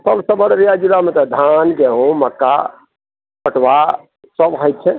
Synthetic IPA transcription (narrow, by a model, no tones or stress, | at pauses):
t̪ʰəlsəbəɽɾijad͡ʒilamet̪ɔd̪ʱanɡɛɦõməkːa̰ | pəʈʋa | səbɦəjt̪̚t͡ʃʰɛ